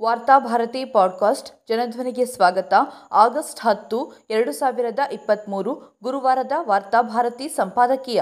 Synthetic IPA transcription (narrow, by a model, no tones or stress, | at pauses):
ʋaːɾt̪aːbʱaːɾɐt̪iːpaːɖkaːsʈd͡ʒɐnɐd̪ʱʋɐniɡesʋaːɡɐt̪ɐaːɡɐsʈɦɐt̪ːuɛɾɐɽusaːʋiɾɐd̪ɐʔipːɐt̪muːɾuɡuɾuʋaːɾɐd̪ɐʋaːɾt̪aːbʱaːɾɐt̪iːsɐmpaːd̪ɐkijɐ